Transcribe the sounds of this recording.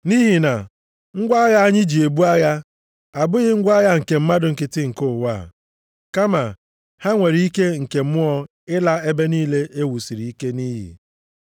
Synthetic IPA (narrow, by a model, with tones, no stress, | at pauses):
ni˦ɦi˨na̰˨ | ŋ̩˦ɡʷa˦ɣa˦a˦ɲɪ˦d͡ʒi˨e˨bu˦a˦ɣa˦ | a˨bʊ˦ɣɪ˦ŋ̩˦ɡʷa˦ja˦ŋ̩˨ke˨m̩˦ma˦dʊ˨ŋ̩˨kɪ˨tɪ˦ŋ̩˨kʊ˦˨wa̰˦˨ | ka˦ma˨ | ha˦ŋʷe˨ɾi˦i˦ke˦ŋ̩˨ke˨m̩˦mʊ˦ɔ˦ | ɪ˦la˦e˦be˦niː˦le˦ʔe˦wu˨si˨ɾi˨i˦ke˦niː˦ɦḭ˨